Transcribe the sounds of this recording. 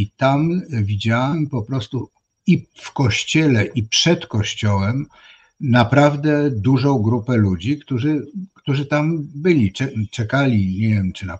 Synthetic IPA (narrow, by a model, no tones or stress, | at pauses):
it̪amvʲid͡ʑawɛmpɔpɾɔst̪u | ifkɔɕt͡ɕɛlɛʔipʂɛt̪kɔɕt͡ɕɔwɛm | napɾavd̪ɛd̪uʐɔ̃w̃ɡɾupɛlud͡ʑikt̪uʐɘkt̪uʐɘt̪ambɘlʲit͡ʂɛt͡ʂɛkalʲiɲevʲjɛmt͡ʂɨna